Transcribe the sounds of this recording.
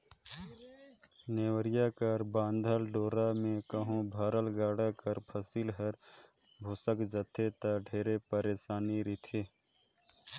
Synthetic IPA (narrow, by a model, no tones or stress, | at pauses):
neːwəɾɪjaːkəɾbãːnd̪ʱəlɖoːɾamẽkəɦõbʱaːɾəlɡaːɽakəɾpʰəsiːlɦəɾ | bʱoːsəkd͡ʒət̪ʰet̪aɖʱeːɾepəɾeːʃaːniɾɪt̪ʰeː